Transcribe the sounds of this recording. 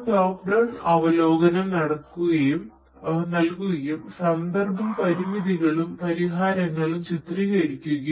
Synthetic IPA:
ʈoːkɖɐnɐʋɐloːɡɐnɐmnɐɽɐkːuɣɐjum | nɐlkuɣɐjumsɐnd̪ɐrbʱɐmpɐɾimiðiɣɐɭumpɐɾiɦaːɾɐŋːɐɭumt͡ɕit̪riɣɐɾikʲːuɣɐ

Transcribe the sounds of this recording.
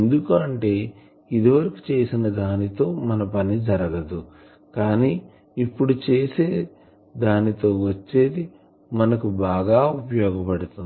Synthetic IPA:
end̪ukuɐɳʈe̞ː | id̪iʋɐɾɐku̥t͡ʃe̞ːsinɐd̪aːnit̪o̞ːmɐnɐpɐnid͡ʒɐɾɐɡɐd̪u | kaːniː | ipːuɽut͡ʃe̞ːse̞ː | d̪aːnit̪o̞ːʋɐt͡ʃːe̞ːd̪i | mɐnɐkubaːɡaːupɐjɔːɡɐpɐɽut̪un

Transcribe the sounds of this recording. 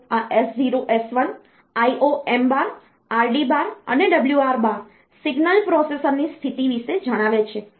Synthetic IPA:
aʔesd͡ʒiɾoʔesʋən | aiʔoembaɾ | aɾɖibaɾə̰neɖəbljuaɾbaɾ | siɡnəlpɾɔsesəɾnist̪ʰit̪iʋiʃed͡ʒəɽ̃aʋet͡ʃʰe

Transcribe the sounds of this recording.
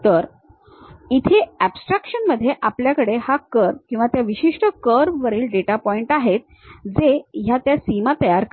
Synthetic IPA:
t̪əɾ | it̪ʰeæbsʈɾakʂənməd̪ʱːjeʔapljakəɽehakəɾkĩw̃ʋat̪jaʋiɕiʂʈəkəɾʋəɾiːlɖeʈapɔiɳʈaɦet̪̚ | d͡zejat̪jasimat̪əjaɾk

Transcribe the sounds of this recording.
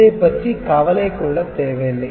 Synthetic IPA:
eːpɐʈrikɐʋɐlɐɪkːuɽɐt̪ːeːʋeːlːɐ

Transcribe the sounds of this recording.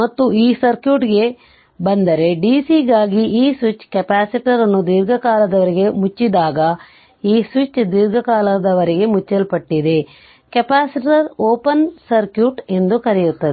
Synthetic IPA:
mɐt̪ːuiːsɐɾkjuːʈɡe̞ | bɐnd̪ɐɾe̞ɖisiɡaːɡiʔiːsʋit͡ʃːkɛpaːsiʈɐɾɐnːud̪iɾɡɐkaːlɐd̪ɐʋɐɾiɡe̞mut͡ʃːid̪aːɡɐ | iːsʋit͡ʃːd̪iɾɡɐkaːlɐd̪ɐʋɐɾiɡe̞mut͡ʃːɐlpɐʈːid̪e̞ | kɛpaːsiʈɐɾoːpɐnsɐɾkjuːʈe̞nd̪ukɐɾijut̪ːɐd̪e

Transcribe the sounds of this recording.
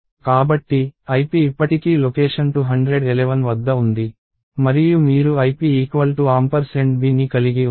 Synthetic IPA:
kaːbɐʈːiɐjpiːpːɐʈikiːlokeːʂɐnʈuɦɐɳɖɾeɖɛleʋɐnʋɐd̪ːɐund̪i | mɐɾijumiːɾuɐjpiiːkʋɐlʈuaːmpɐɾseɳʈ̚biːnːikɐliɡi

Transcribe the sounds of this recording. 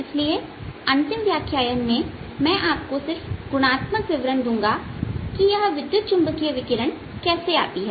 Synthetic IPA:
ɪslie | ɐ̃nt̪ɪmʋjaːkʰjaːjənmẽmɛ̃ʔaːp̚kosɪɾfɡʊɽ̃aːt̪məkʋɪʋɾənd̪ũːŋɡakijɐɦʋɪd̪jʊt̪̚t͡ʃʊ̃mbəkeʋɪkɪɾəɳ̃ | kɛːsea̰ːt̪iɦɛː

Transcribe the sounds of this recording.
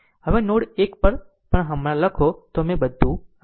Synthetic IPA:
ɦəʋenoɽekpəɾ | pəɳɦəmɾaləkʰot̪omẽbəd̪ʱːũ

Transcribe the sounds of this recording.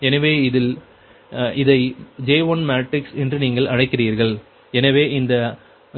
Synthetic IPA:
ɛnɐʋeːɪðɪl | ɪðɐɪd͡ʒeːʋɔnmaːʈrɪksɛndrɯniːŋɡɐɭʔɐɻɐɪkːɪriːɾɣɐɭ | ɛnɐʋeːʔɪnd̪ɐ

